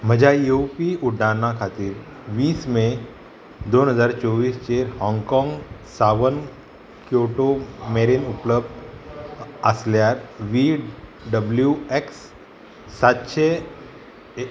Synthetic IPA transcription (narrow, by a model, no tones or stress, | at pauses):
m̤əd͡ʑʱajopiuɖʱanakʰat̪iːɾ | ʋiːsmẽ | d̪oːnɦəzaɾt͡ʃɔʋiːst͡ɕeɾhɔ̃ŋɡkɔ̃ŋɡsaʋən | kjoʈomeɾinupləb̚d̪ | asljaɾʋiːɖɖəbljueksː | at̪ɕʰe